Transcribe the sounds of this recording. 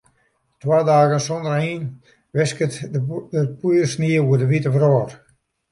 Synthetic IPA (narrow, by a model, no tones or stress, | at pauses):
twaːdaːɣənsondəriːn | ʋɪskətəpujəsniəuədəʋitəvrɔːr